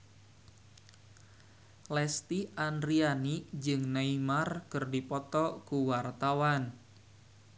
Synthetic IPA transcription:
lɛst̪iandɾianid͡ʒɨŋneimarkɨrdipɔt̪ɔkuwart̪awan

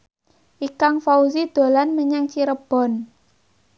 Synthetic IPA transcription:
ʔikaŋfauzid̪̥o̤lanməɲaŋt͡ʃiɾəb̥ɔ̤n

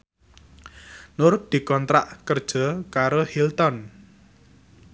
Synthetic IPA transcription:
nʊrd̪̥i̤kɔnt̪ɾa̰ʔkərd̥ʒ̥ɔ̤kaɾohilt̪ɔn

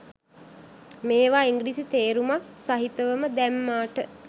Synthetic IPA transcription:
meːʋaːiŋɡɾisit̪eːɾumaksaɦit̪əʋəməd̪æmːaːʈə

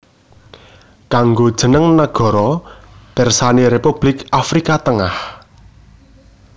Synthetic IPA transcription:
kaŋɡod̥ʒ̥ə̤nəŋnaɡ̥ɔ̤ɾɔd̥ɛrsaneɾepub̥lɪkʔafɾikat̪əŋah

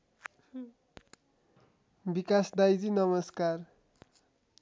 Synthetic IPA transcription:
bikasd̪ajd͡zinʌmʌskar

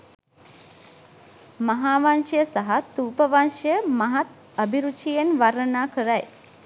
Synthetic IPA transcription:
mɐɦaːʋanʃɐjəsaɦat̪uːpəʋanʂɐjəmaɦat̪ | əbʱiɾut͡ʃijenʋaɾənaːkəɾaj

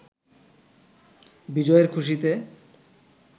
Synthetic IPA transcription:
bid͡ʑɔeɾkʰuʃ̬it̪e

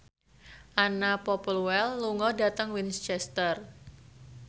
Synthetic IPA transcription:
ʔanapɔpluwɛlːuŋɔdat̪əŋwinst͡ʃɛst̪ər

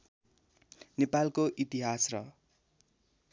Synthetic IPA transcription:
nepalkoʔit̪iɦasrʌ

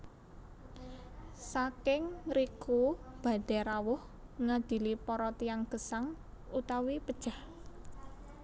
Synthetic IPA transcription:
sakɪŋɾikub̥ä̤d̪̥ɛɾawʊh | ŋad̪̥i̤lipɔɾɔt̪iaŋɡ̥ə̤saŋ | ut̪awipəd̥ʒ̥a̤h

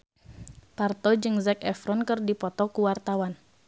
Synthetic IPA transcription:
part̪ɔd͡ʒɨŋzɛkɛfɾɔnkɨrdipɔt̪ɔkuwart̪awan

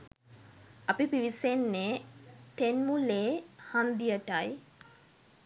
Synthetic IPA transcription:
apipiʋisenːet̪enmuleːhand̪ijəʈaj

